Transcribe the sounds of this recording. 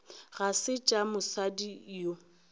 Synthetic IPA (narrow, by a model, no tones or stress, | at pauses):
ɣasɪt͡ʃʼamʊsadijo